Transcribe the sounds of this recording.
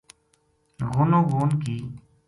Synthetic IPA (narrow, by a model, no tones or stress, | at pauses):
ɣoːnõːɡoːnkiː